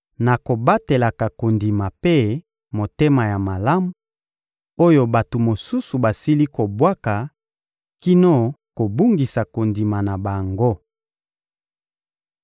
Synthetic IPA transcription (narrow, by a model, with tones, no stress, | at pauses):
na˨ko˨ba˦te˨la˨ka˨ko˨ndi˨ma˨pe˦ | mo˨te˦ma˨ja˨ma˨la˦mu˦ | o˦jo˦˨ba˨to˨mo˨su˦su˨ba˨si˦li˦ko˨bwa˦ka˨ | ki˦no˦ko˨bu˦ŋɡi˨sa˨ko˨ndi˨ma˨na˨ba˨ŋɡo˦